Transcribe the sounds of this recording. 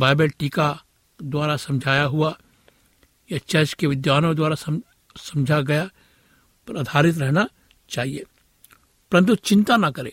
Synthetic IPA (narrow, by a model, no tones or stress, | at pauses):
baːɪbəlʈiːka | d̪waːɾasɐ̃md͡ʒʱaːjaɦua | jet͡ʃɐt͡ʃkeʋɪd̪jaːnõd̪waːɾasɐ | sɐ̃md͡ʒʱaɡɐja | pɾaːd̪ʱaːɾɪt̪ɾɛɦna | t͡ʃaːɦieː | pɐɾə̃nt̪̬ut͡ʃɪ̃nt̪anɐkɐɾeː